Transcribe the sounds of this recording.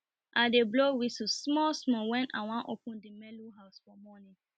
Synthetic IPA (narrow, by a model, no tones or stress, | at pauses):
ʔadeblowisusmɔsmɔ̃wɛ̃na̰w̃ãʔopʊ̃ndimɛluɦaʊsfɔmɔnɪ̃